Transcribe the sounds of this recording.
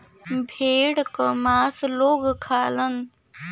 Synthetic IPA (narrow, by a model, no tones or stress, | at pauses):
bʱeːɽkəmaːsloːɡkʰaːlən